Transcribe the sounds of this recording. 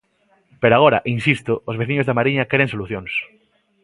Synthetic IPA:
peɾoaɣ̞oɾa̰ʔinsist̪oozβe̞θiɲozðeamaɾiɲake̞ɾensoluθjõns

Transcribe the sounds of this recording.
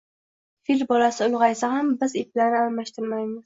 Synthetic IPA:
filʲbɒlasɪʊlˠʁɑjsahambɪzep̚laɾnɪalmaʃt̪ʰɪɾmajmɪz̥

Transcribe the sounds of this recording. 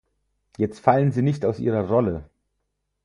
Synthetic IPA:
jɛt͡stfalənziːnɪçtaʊsʔiːʁɐʁɔlə

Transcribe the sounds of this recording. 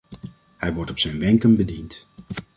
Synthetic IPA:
hɛjʋɔɹtɔpsɛjnʋɛŋkənbədint

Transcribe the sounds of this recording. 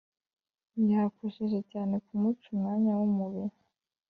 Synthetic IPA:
njaːkoʃeʒecaːne̞kumut͡ʃumŋaːɲawumuβiɾu

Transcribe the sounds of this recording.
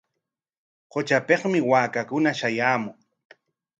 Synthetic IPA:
qot͡ʃapeχmɪwaːkakʊnaʃajaːmʊŋ

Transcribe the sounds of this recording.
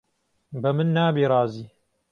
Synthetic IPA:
bɐmɨnːaːbiːɾˤɑːziː

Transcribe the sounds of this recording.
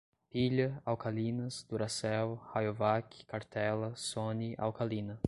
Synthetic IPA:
piʎɐawkalinɐsd̪̥uɾasɛwhajovakʰi̥kaɾt̪ɛlɐsoniʔa̰wkalinɐ

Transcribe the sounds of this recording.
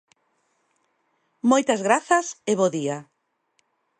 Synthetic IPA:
mojt̪ɐzɣɾaθɐseβoðia

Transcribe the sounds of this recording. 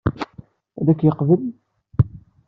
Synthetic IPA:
æðækːjəqvəl

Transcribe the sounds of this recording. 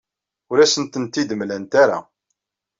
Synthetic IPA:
ʊɾæsənt̪ənt̪id̪əmlænt̪aɾa̰

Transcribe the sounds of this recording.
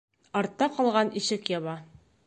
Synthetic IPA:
ɒɾt̪ːɑqɒlˠʁɑniʃɘkjɒβɑ

